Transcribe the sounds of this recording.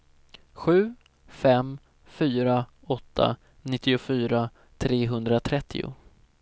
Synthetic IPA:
ɧʉ̟ː | fɛm | fyːɾa | ɔt̪ʰːa̰ | nɪt̪ːɪʊfyːɾa | t̪ʰɾeːɦɵnd̪ɾat̪ʰɾɛt̪ʰːɪ̰ʊ̰

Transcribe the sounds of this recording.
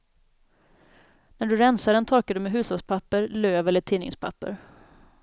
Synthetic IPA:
næɖɵɾɛnsaɖɛnt̪ʰɔɾkad̪ɵmɛɦʉ̟ːsaspʰapːəɾløːvɛlːəʈʰiːnːɪ̰ŋspʰa̰pːə̰ɾ

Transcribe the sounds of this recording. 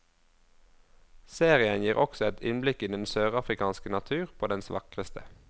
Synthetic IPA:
seːʁɪənjiːʁʔɔksɔɛt̪ʰɪnblɪkɪnd̪ɛnsøːʁɑfʁɪkʰɑːnskənɑt̪ʰʉːʁpʰoːd̪ɛnsʋɑkʁəst̪ʰə

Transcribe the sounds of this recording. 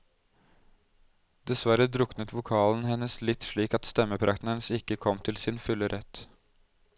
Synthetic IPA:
d̪ɛsʋæɾəd̪ɾʊknət̪ʋʊkʰɑːln̩hɛnəslɪt̪ʂɭiːkɑt̪st̪ɛmːəpʰɾʔɑkt̪n̩hɛnəsɪkːəkʰɔmːt̪ʰɪlsɪnfʉlːəɾʔɛt̪

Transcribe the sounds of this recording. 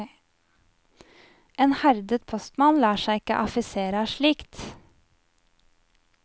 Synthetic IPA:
ʔeːnhæɾd̪ət̪̚pʰɔst̪mɑnlɑːʃæɪɪkə̰ʔɑfɪseːɾəʃɭiːkt̪

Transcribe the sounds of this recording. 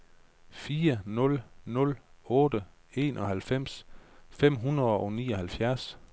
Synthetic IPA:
fiːɐnɔ̽lnɔ̽lɔ̽ːdə | e̝ːnʔɒ̽hælfem̰sfem̰ɦunɐðˠɒ̽nḭːɒ̽hælfjæɐs

